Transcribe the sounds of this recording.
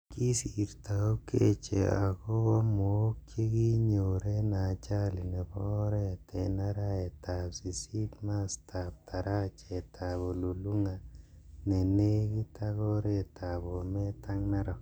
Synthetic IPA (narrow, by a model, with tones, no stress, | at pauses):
ki˦si˨ɾta˨o˦ke˦t͡ʃḛ˨a˨ko˦kɔ˦mo˨˦kje˦ki˦ɲo˨ɾe˦na˨t͡ʃa˦li˨nɛ˨pɔ˦ɾɛ˦˨te˨na˦ɾa˦e˨ta˨psi˨si˦tma˦stʰa˨p̚tʰa˨ɾa˦t͡ʃe˨tʰa˨bo˨lu˨lu˦ŋa˨ | ne˨ne˦ki˦ta˦kɔ˦ɾe˦˨ta˨bo˨mɛ˦ta˦ŋna˦ɾɔ˨